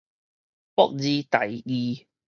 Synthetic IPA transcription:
pɔ̰˦˥k̚ziː˦t̪ɐ˨jiː˧

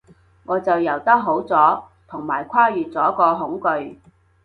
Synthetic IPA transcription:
ŋɔː˨˧t͡sɐ˨wjɐ˨˩wt̪ɐ˥k̚ɦo˨˥wt͡sɔː˨˥ | t̪ʰʊ˨˩ŋmaː˨˩jkʷʰaː˥jyː˨t͡sɔː˨˥kɔː˧ɦʊ˨˥ŋkɵ˧ɥ

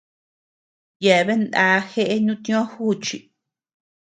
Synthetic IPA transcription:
ja˨˧βe˦nd̪a˧˦xe˦ʔe˦ɲũ˦t̪ĩ˦õ˦hu˦˨t͡ʃi˨

